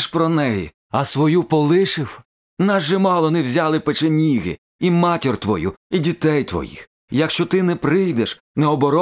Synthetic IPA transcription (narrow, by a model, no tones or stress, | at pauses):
ʃpɾɔnɛjḭ | ɐsʋɔjupɔlˠɪʃɪw | nɑzʒɛmɑlˠɔnɛwzʲalˠɪpet͡ʃenʲiɦɪ̰ | imɑtʲirt̪ʋɔ̰jṵidʲit̪ɛjt̪ʋɔ̰jḭx | jɐkʃt͡ʃɔt̪ɪnɛpɾɪjd̪ɛʃ | nɛɔbɔɾɔ